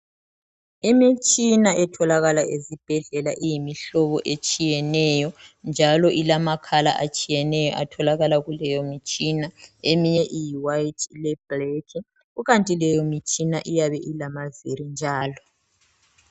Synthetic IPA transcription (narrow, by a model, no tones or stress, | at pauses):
imit͡ʃʼinaʔɛtʰɔlaɣalaʔezib̥ʱɛɮɛlaʔijimiɬɔβɔʔet͡ʃʼijɛnɛjɔnd͡ʒʱalɔʔilamakʰala̰ʔat͡ʃʼijɛnɛjɔ̰ʔatʰɔlaɣalaɣulɛjɔmit͡ʃʼinaemiɲɛʔijiwajtʰlɛb̥rekʰi | uɣantʼilɛjɔmit͡ʃʼinaʔijaβɛʔilamazeɾind͡ʒʱaːlɔ